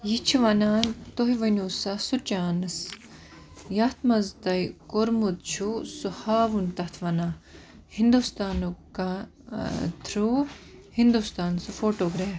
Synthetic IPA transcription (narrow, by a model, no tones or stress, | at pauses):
jit͡ʃʰiʋɐnat̪oɦiʋɐnuːsasut͡ʃaːnɨs | jɐht̪ʰmɐzd̪ɐjkoɾmut̪̚t͡ʃʰusuhaːʋunt̪ɐt̪ʰʋɐnaː | hind̪ust̪aːnuka | t̪ʰɾuhind̪ust̪aːnsufoːʈoːɡɾeːf